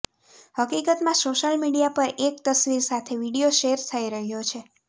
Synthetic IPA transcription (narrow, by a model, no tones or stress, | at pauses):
həkikət̪mãsoʃəlmiɽijapəɾʔek̚t̪əsʋiɾsat̪ʰeʋiɽijoʃeɾt̪ʰəiɾəɦjot͡ʃʰe